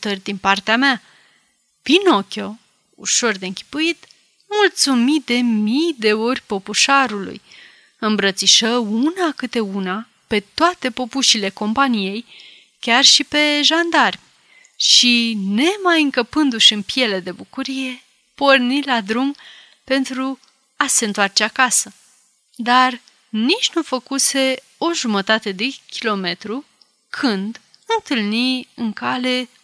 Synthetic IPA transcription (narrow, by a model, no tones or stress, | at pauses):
t̪ərʲd̪inpart̪eamea | pino̞kʲo̞ | ṵʃo̞rd̪e̞ɨŋkʲi̥pujit̪ | mult̪sumid̪e̞mijd̪e̞o̞rʲpo̞puʃaɾulṵj | ɨmbɾət̪siʃəunakɨt̪e̞una | pe̞t̪oat̪e̞po̞puʃile̞ko̞mpanije̞j | kʲarʃipe̞ʒand̪arʲ | ʃine̞majɨŋkəpɨnd̪uʃɨnpije̞le̞d̪e̞bukuɾije̞ | po̞rnilad̪ɾum | pe̞nt̪ɾu | ase̞ɨnt̪oart͡ʃe̞akasə | d̪ar | nit͡ʃʲnufəkuse̞ | o̞ʒumət̪at̪e̞d̪e̞kʲilo̞me̞t̪ɾu | kʰɨnd̪ | ɨnt̪ɨlniɨŋkale̞